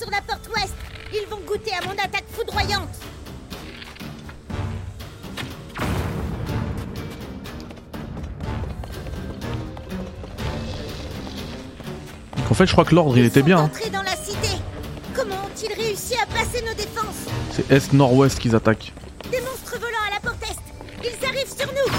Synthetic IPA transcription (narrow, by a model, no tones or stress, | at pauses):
syʁlapɔʁt̪wɛst̪ilvɔ̃ɡut̪eamɔ̃nat̪akfud̪ʁwajɑ̃t̪ | d̪ɔ̃kɑ̃fɛt̪ʒəkχwaklɔʁd̪ʁilet̪ɛbjɛ̃t̪χed̪ɑ̃lasit̪ekɔmɑ̃ɔ̃t̪ilʁeysiapasenod̪efɑ̃ssɛʔɛst̪nɔʁwɛst̪kʲilzat̪ak | d̪emɔ̃st̪χəvɔlɑ̃alapɔʁt̪ɛst̪ | ilzaʁivsyʁnu